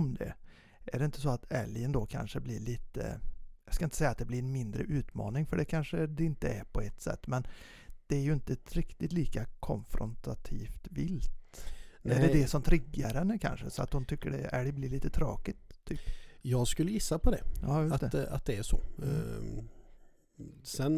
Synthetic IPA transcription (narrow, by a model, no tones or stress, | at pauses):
md̪ɛ̰ | ʔæɖɛɪnt̪əsɔat̪ɛljənd̪okʰa̰nʂəbliːɭiːt̪ə̰jjɑskaɪnə̥sɛjːat̪̚d̪ɛblɪɾɛnmɪnd̪ɾə̰ʔʉ̟ːt̪mɑ̰ːnɪŋfœɖɛkʰanʂəd̪ɛɪnt̪əæɾpʰɔɛt̪sɛ̰t̪ːmɛn | d̪̥ɛæɾjɵɪnt̪əɾɪkt̪ɪt̪liːkakʰɔ̰nfɾɔ̰nt̪ʰat̪ʰiːft̪vɪlt̪æɖɛd̪ɛsɔmt̪ʰɾɪɡːaɾhɛnːəkʰa̰nʂə̰sɔa̰t̪hʊnt̪ʰʏkːəɖɛæ̰ɖɛblɪɭiːt̪ət̪ʰɾɑ̰ːkɪt̪ʰːyːpjɑːɡskɵlːəjɪsːapʰɔd̪ɛjʔɑːjʊsat̪d̪ɛa̰t̪̚d̪ɛæʂɔ̰ | sɛn